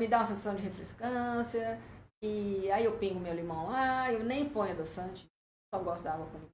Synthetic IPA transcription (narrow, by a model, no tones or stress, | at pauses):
mɪd̪aũɐsẽsasɐ̃w̃d͡ʒɪhefɾeskɐ̃siɐɪaiewpĩŋɡʊmewlimɐ̃w̃laewnẽj̃põj̃ɐd̪osɐ̃t͡ʃɪ̥ | ɔɡɔst̪ʊd̪ɐaɡwɐkõmi